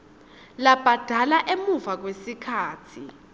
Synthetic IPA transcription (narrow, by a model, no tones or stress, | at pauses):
lab̥ʱad̥ʱalaʔemuvak̬wesikʰaːtʰi